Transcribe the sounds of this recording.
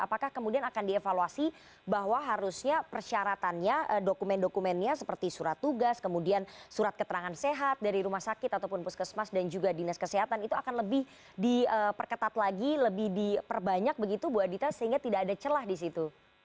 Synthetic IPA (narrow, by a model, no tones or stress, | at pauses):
a̰pakahkəmudianakandiefaluasi | baɦwaɦaɾusɲapərʃaɾat̪anɲaʔədokumɛndokumɛnɲasəpərt̪isuɾat̪ːuɡaskəmudiansuɾat̪̚kət̪əɾaŋanseɦat̪̚daɾiɾumahsakɪt̪at̪awpʊnpʊskəsmasdand͡ʒuɡadinaskəseɦat̪anit̪uakanləbɪh | diəpərkət̪at̪laɡiləbɪhdipərbaɲak̚bəɡit̪ubuat̪̚dit̪asəɦiŋɡat̪idaːdat͡ʃəlahdis̬it̪u